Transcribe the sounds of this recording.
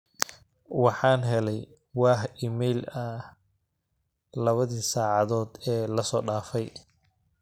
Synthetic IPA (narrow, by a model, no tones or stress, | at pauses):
wɑħɑːnɦɛlɛj | wɑːhiːmɛjlɐ | lɐβɐðiːsaːʕɑðɔːd̪ɛːlɐsɔːɖaːfɛj